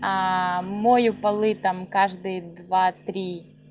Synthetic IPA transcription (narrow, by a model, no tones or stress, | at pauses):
amojʊpɐlˠɨt̪amkaʐd̪ɨjəd̪vat̪ɾʲi